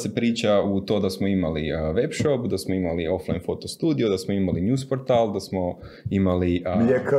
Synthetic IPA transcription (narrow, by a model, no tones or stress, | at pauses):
se̞pɾiːt͡ʃaut̪o̞ːd̪asmoimaliʋe̞pʃopd̪asmoimalio̞fla̰jnfo̞t̪o̞st̪uːd̪io̞d̪asmoimaliɲuːspoɾt̪aːld̪asmo̞imaliek